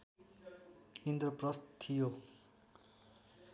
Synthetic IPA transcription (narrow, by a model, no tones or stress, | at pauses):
ind̪rʌprʌst̪ʰijo